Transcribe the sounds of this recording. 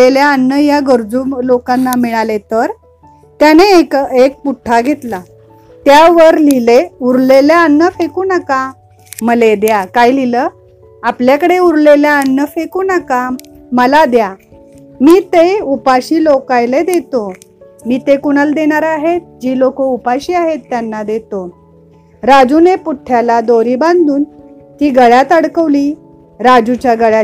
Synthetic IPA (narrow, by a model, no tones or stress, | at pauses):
eljaːnːəjaɡəɾd͡zuːlokanːamiɭalet̪əɾ | t̪janekek̚puʈʰːaɡʱet̪la | t̪jaʋəɾlileuɾleljaːnːəfekuːnaka | məled̪jakajlilə | apljakəɽeuɾleljaːnːəfekuːnakaməlad̪ja | miːt̪eupaɕiːlokajled̪et̪o | miːt̪ekuɽ̃əld̪eɽ̃aɾaɦet̪̚d͡ʑiːlokəupaɕiːaɦet̪ːjanːad̪et̪o | ɾad͡zunepuʈʰːjalad̪oɾiːbãnd̪uːn | t̪iːɡəɭjat̪əɽkəʋliː | ɾad͡ʑut͡ɕjaɡəɭja